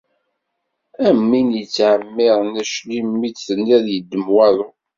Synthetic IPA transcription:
æmːinjət͡sːʕəmːɪʁnæʃlimːit͡sθənːiðjəd̪ːəmwæðˤʊ

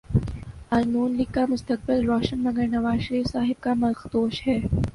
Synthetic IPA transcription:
alnuːnliːkːamʊst̪ək̚bɪlɾɔːʃənmɐɡəɾnɐʋaːzʃəɾiːfsaːɦɪb̚kamɐlxd̪oːʃhɛː

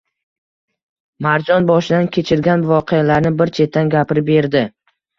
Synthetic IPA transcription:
maɾd͡ʒɒnbɒʃɪd̪ankʲʰe̞t͡ʃʰɪɾɡʲanvɒqʰejalaɾnɪbɪɾt͡ʃʰe̞t̪ʰːanɡʲapɪɾɪp̚be̞ɾd̪ɪ

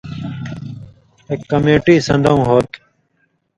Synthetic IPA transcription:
eːkːəmeːʈiːsə̃nd̪ʱəũːɦoːt̪

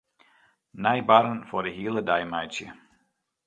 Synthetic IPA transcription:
najbaɾənfɔdəɦiːəlˠədajmajsjə̰

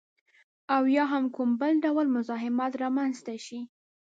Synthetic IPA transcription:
awjɑɦamkʊmbəlɖawlmʊzɑɦɪmɑt̪ɾɑmanzt̪aʃi

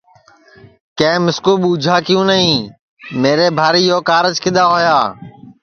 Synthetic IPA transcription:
kẽːmɪskuːɓuːd͡ʒʱaːkɪjũːnəɦĩː | meːɾeːbʱaːɾiːjoːkaːɾət͡ʃkɪɗ̪aːɦoːjaː

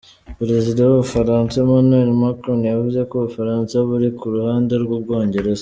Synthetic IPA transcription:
pɾe̞zidawuβufaɾaːnsaemanwelmakɾonjavuze̞koβufaɾaːnsaβuɾikuɾuhaːndeɾɡub̚ɡo̞ːɲɟe̞ɾe̞z

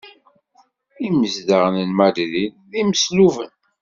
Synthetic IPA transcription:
iməzd̪əʁnənmæd̪ðin | ðiməsluvə̰n

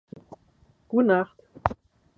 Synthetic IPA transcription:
ɡ̥utnaχt

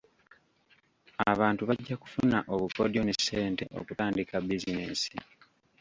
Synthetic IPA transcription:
aβaːntuβaɟːaku̥funaʔo̞βuko̞̰djo̞nesːe̞ːnte̞̰ʔo̞̰kutaːndikabizineːnsi

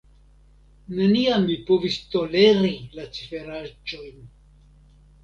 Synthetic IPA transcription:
neniamːipovist̪o̞le̞ɾilat͡si̥fe̞ɾad͡ʒo̞jn

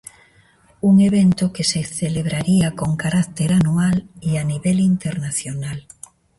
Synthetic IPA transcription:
uŋeβ̞ent̪okeseθeleβ̞ɾaɾiakoŋkaɾakt̪eɾanualianiβelint̪eɾnaθjonal

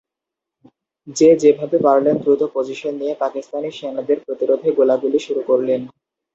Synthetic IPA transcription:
d͡ʑed͡ʑebʱabebaɾlend̪ɾut̪opod͡ʑiʃonːijepakist̪aniʃenad̪eɾpɾot̪iɾod̪ʱeɡolaɡuliʃuɾukoɾlen

